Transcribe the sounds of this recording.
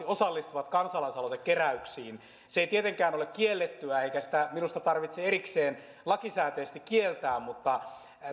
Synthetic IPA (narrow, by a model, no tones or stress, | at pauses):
iosɑlːist̪uʋɑt̪kɑnsɑlɑisɑlosekkeræyksiːn | seeit̪iet̪eŋkæːnolekkːielːet̪ːyæeikæsi̥t̪æminust̪ɑt̪ɑrʋit̪seeɾikseːn | lɑkisæːt̪eːst̪ikkielt̪æːmmut̪ːɑ